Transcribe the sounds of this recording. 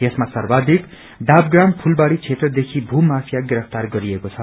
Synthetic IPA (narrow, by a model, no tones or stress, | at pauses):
jesmasʌrbad̪ik | ɖab̚ɡrampʰulbaɽit͡sʰet̪rʌd̪ekʰibʱumapʰjaɡiɾʌpʰt̪arɡʌɾiekot͡sʰʌ